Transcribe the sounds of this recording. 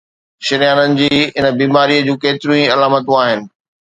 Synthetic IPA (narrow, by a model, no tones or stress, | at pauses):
ʃɪɾijaːnənɪ̆d͡ʑiːɪnə̆biːmaːɾiəd͡ʑũːkeːt̪ɪɾũĩɐlaːmət̪ũaːɦɪnɪ̆